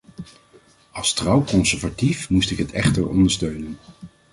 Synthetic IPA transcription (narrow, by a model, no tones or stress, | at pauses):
ɑlˠstrɑwkɔnsɛɹvatifmustɪkɦətɛχtəɹɔ̰ndəɹstøɥnən